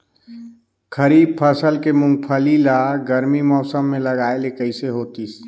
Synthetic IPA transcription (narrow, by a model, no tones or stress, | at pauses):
kʰəɾib̚pʰəsəlkemũŋɡ̚pʰəlilaɡəɾmimɔːsəmːeləɡaelekəɪseɦoːt̪is